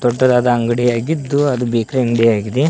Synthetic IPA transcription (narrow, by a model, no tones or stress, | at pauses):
t̪ɔʈːɐd̪aːd̪ɐɐŋɡɐɽijaːɡid̪ːuɐd̪ubeːkɾeɐŋɡɐɽijaːɡid̪e